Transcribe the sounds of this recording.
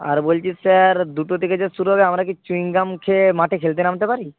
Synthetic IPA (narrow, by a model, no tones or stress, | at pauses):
a̰ɾbolt͡ɕʰissaɾd̪uʈot̪ʰeked͡ʑesuɾuɦɔbeamɾakit͡ɕuiŋɡamkʰemaʈʰekʰelt̪̬enamt̪epaɾi